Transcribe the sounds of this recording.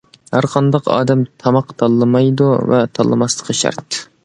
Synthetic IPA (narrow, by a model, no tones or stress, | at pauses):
hæɾqʰɑnd̪ɑqɑ̰ːd̪ɛmt̪ʰɑmɑqt̪ʰɑlˠːɨmɑjd̪uvɛt̪ʰɑlˠːɨmɑslˠə̥qʰəʃɑ̰ɾt̪